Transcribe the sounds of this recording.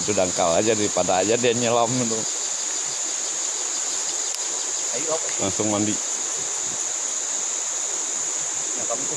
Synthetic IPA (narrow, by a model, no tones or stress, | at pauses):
t̪udaŋkalad͡ʒadaɾipadaːd͡ʒadɛnɲalamnud̪u | laŋsʊŋmandi